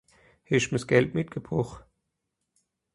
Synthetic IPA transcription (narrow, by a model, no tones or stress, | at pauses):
hɪʃməsɡ̥ɛltmɪt̚ɡ̥əb̥ʁʊx